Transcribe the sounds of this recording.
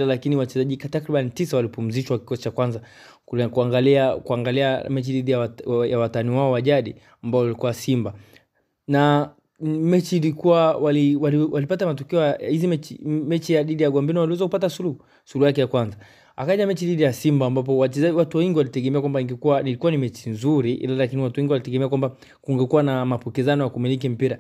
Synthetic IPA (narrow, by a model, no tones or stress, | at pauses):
lalakiniwat͡ʃɛzaʄikatakɾiɓanitisawalipum̩ziʃwaki̥kɔsi̥t͡ʃakwanza | kkuaŋɡaliakuaŋɡaliamɛt͡ʃiɗiɗijawjawataniwaɔwaʄaɗḭ | ambaɔwalikuwasimba | na | mɛt͡ʃiːlikuwawaliwaliwʔalipatamatɔkɛɔjahizimɛt͡ʃmɛt͡ʃijaɗiɗijaɡwambiniwaliwɛzakupatasuluhu | sulujakɛjakwanza | a̰kaɲamɛt͡ʃiɗiɗijasimbaːmbap̬ɔwat͡ʃɛzaiwatuaiŋɡiwalitɛɡɛmɛakwambaiŋɡɛkuanilikuwanimɛt͡ʃinzuɾiʔḭlalakiniwatuwiŋɡiwalitɛɡɛmɛakwamba | kuŋɡɛkuwanamapukizanɔjakumilik̬im̩piɾa